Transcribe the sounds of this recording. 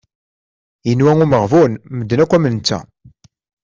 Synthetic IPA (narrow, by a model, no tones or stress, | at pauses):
jənwæŋuməʁvunməd̪ːənækʷːæmənt͡sːæ̰